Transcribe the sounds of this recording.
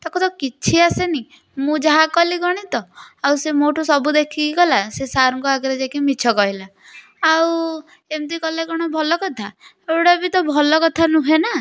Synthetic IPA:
t̪ɔkʰɔt̪ɔkit͡ʃʰiaseni | mũd͡ʒaɦakɔliɡɔɽ̃it̪ɔawsemoʈosɔbud̪ekʰikiɡɔlasesaɾɔŋkɔaɡɾed͡ʒakimit͡ʃʰɔkɔɦila | aw | emt̪ikɔlekɔɽ̃ɔbʱɔlɔkɔt̪ʰa | ewɽabit̪ɔbʱɔlɔkɔt̪ʰanũɦena

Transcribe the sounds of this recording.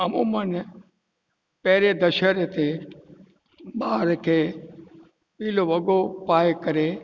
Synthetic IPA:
ɐmuːmən | pɛɦɪɾed̪ɐʃəɾet̪ʰe | ɓaːɾkʰeː | piːloʋɐɠopaːekɐɾe

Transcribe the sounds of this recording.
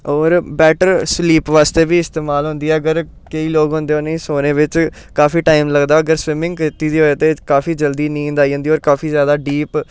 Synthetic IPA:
ɔːɾbɛːʈəɾsliːpʋaːst̪eːbiːɪst̪eːmaːlɦʊ̃nd̪iːɛːəɡəɾ | kəiːloːɡɦõnd̪eːʊnĩːsoːnẽːʋɪt͡ʃ | kaːfiːʈaːimləɡd̪aːəɡəɾsʋɪmɪ̃ŋɡkɪt̪iːd̪iːɦoːet̪eːkaːfiːd͡ʒəld̪iːnĩːnd̪aːiːɦə̃nd̪iːɔːɾkaːfʰiːzjaːd̪aːɖiːp

